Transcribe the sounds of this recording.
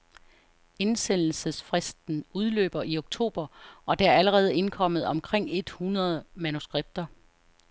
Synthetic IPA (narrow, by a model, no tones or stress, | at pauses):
e̝nsen̰l̩səsfʁɛsd̥n̩uð̞ˠlø̰ːb̥ɐʔio̝ɡ̥̚t͡sʰo̝̰ːb̥ɐɒ̽d̥eæɐæləʁɛːð̞̩ˠe̝nkʰɒ̽m̰ð̞̩ˠɒ̽mkʰʁeŋ̰e̝d̥hunɐð̞ˠmænusɡ̥ʁeb̥̚d̥ɐ